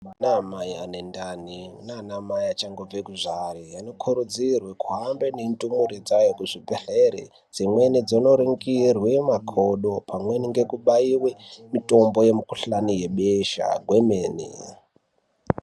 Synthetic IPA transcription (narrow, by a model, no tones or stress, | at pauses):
namajanendaniunanamajat͡ʃaŋɡob͡vekuʐarijano̞kʰuɾud͡zirwekuɦambenentumuɾed͡zajokuʐibeɬeɾḛ | d͡zimwenid͡zonoɾiŋɡirwemakʰoɗopʰamweniŋɡekuɓaiwemito̞mbo̞je̞mikuɬanije̞ɓeʃa̰ɡʱwemeːnḭ